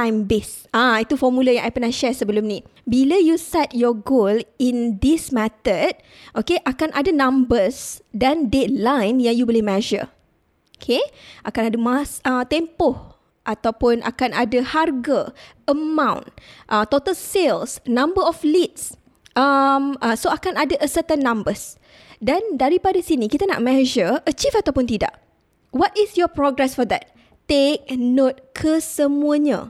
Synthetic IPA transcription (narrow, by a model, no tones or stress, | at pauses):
t̪ãjmbesʔãit̪ufɔmulajãŋʔajpənahʃɛsəbəlʊmnĩbiləjusɛt̪̚jɔɡolind̪ismɛ̃t̪ət̪̚ | ʔokeʔakanʔadanãmbəsdandet̪̚lãjnjãŋjubəlɪhmɛʒə̰ | okʰeʔakanadamasət̪empʊh | ʔat̪awpʊnʔa̰kanʔadaharɡə | əmãw̃nʔət̪ot̪alselsnãmbəɾɔflit̪̚s | əməsoakanadaʔəsət̪ənːãmbəs | dandaɾipadasinikit̪ana̰ʔmɛ̃ʒəət͡ʃifat̪awpʊnt̪ida̰ʔ | wɔtisjɔpɾɔɡɾɛsfɔd̪ɛt̪̚ː | ek̚not̪̚kʰəsəmũaɲã̰